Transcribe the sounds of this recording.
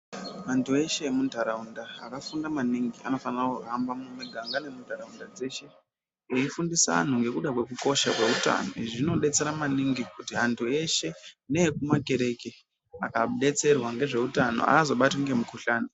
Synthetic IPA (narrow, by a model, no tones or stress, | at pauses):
mantʰue̞ʃe̞emundʱaɾaunda̰ːkafundamaniŋɡia̰no̞fanrakokaambamumiɡʱaŋɡane̞mundʱaɾaundad͡ze̞ʃe̞ | eifundisaa̰n̤uŋɡe̞kuɗakwe̞kuko̞ʃakwe̞uta̰no̞̰iʐino̞ɗe̞t͡se̞ɾamaniŋɡikutiɦantʰue̞ʃe̞nekumake̞ɾe̞ke | akaɗe̞t͡se̞rwaŋɡe̞ʐe̞utano̰a̰ːzo̞ɓatiŋɡe̞mukuɬaːno